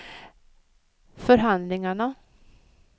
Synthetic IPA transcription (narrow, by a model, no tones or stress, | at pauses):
fœɾɦand̪lɪŋaɳa